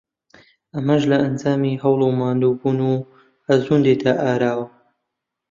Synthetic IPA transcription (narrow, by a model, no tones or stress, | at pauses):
ʔɐmɐʒlɐʔɐnd͡zaːmiːɦɐwlˠumaːnd̪uːbuːnu | hɐzuːnd̪et̪ʰaʔaːɾaːwɐ